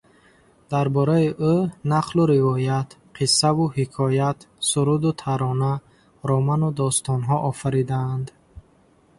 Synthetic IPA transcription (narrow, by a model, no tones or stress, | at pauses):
d̪aɾbɔɾaiʔunaqʰluɾivɔjat̪ | qʰisːavuhikʰɔjat̪suɾud̪ut̪ʰaɾɔna | ɾɔmanud̪ɔst̪ɔnɦɔʔɔfaɾid̪aːnd̪